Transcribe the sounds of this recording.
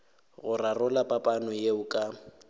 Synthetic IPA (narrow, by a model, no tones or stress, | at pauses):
ɣʊrarʊlapʼapʼanɔjeʊkʼa